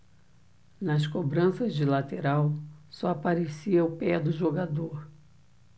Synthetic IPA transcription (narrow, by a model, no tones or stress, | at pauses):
nɐskobɾɐ̃sɐzd͡ʒɪlat̪eɾawsɔapaɾesiɐʊpɛd̪ʊʒoɡad̪oɾ